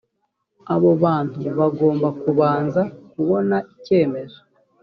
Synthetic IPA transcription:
aβo̞βaːn̥huβaɡo̞ːmbakuβaːnzakuβo̞naʔice̞ːme̞zo

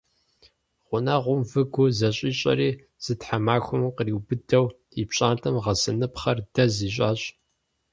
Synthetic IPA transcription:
ʁʷʊnɐʁʷʊmvɨɡʷʊzɐɕʼiːɕʼɐ̰ɾiː | z̥ɨtħamaːxʷʊmqəriːwbɨdɐw | ipɕʼaːntʰɐmʁɐsɨnɨpχɐrdɐziːɕ̬ʼaːɕʼ

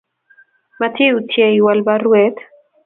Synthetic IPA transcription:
mat̪ʰiut̪ʰjeiwalbaruet̪

